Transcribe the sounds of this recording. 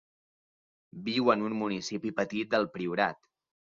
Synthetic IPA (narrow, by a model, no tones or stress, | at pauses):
biwənunmunisipipət̪it̪̚d̪əlˠpɾiuɾat̪